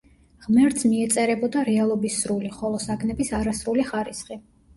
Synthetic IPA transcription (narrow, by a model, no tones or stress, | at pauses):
ʁmɛɾt̪sʰmiɛt̪sʼɛɾɛbɔd̪aɾɛalˠɔbisɾuliχɔlˠɔsaɡʰnɛbisaɾasɾuliχaɾisχi